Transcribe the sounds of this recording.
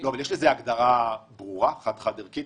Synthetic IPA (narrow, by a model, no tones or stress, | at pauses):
loavaljeʃlezeaɡd̪aʁabʁuʁaχat̪χad̪eʁkit